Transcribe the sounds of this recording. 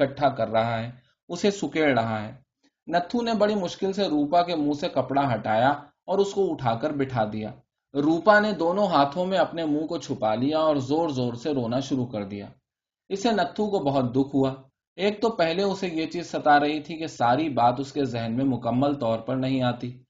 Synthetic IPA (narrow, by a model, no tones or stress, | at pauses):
kɐʈʰːakɐɾːɐɦaɦɛː | ʊsesʊkeːɭɾɐɦaɦɛ̰ː | nɐt̪ʰːunebɐɽimʊʃkɪlseɾuːpakemũsekɐpɽaɦɐʈaːja | ɔːɾʊskoʊʈʰaːkəɾbɪʈʰad̪ija̰ː | ɾuːpaned̪oːnõɦaːt̪ʰõmẽɐpnemũːkot͡ʃʰʊpaːlijaɔːɾzoːɾzoːɾseɾoːnaʃʊɾukɐɾd̪ija̰ː | ɪsenɐt̪ʰːukobɐɦʊt̪̚d̪ʊkʰɦʊaː | eːk̚t̪opɛɦleʊsejet͡ʃiːzsɐt̪aɾɐɦit̪ʰikesaːɾibaːt̪ʊskezɛɦnmẽmʊkəmːəlt̪ɔːɾpɐɾnɐɦĩaːt̪iː